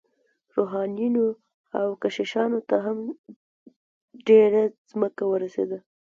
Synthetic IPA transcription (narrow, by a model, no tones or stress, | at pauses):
ɾoɦɑnjuno | a̰wkaʃeʃɑnot̪aɦam | ɖeɾaz̥məkawəɾasḛd̪a